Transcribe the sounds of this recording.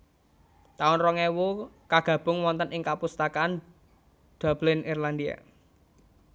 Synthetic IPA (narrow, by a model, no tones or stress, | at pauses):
t̪aʊnrɔŋewukaɡ̥ä̤b̥ʊ̤ŋwɔnt̪ənʔɪŋkapust̪akan | d̪̥a̤blɪnʔirland̪ia̰